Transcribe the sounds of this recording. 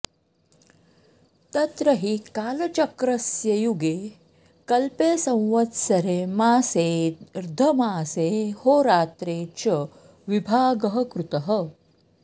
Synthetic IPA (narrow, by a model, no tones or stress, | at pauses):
t̪ɐt̪ɾɐɦikaːlɐt͡ʃɐkɾɐsjɐjuɡeː | kɐlpeːsɐ̃w̃ʋɐt̪sɐɾeːmaːseːɾd̪ʱɐmaːseːhoːɾaːt̪ɾeːt͡ʃɐ | ʋibʱaːɡɐɦɐ̆kɾut̪ɐɦɐ